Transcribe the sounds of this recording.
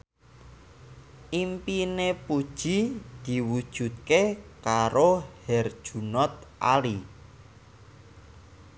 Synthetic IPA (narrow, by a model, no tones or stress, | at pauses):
ʔimpinepud̥ʒ̥i̤d̪̥i̤wud̥ʒ̥ṳt̪̚kekaɾohɛrd̥ʒ̥ṳnɔt̪̚ʔa̰li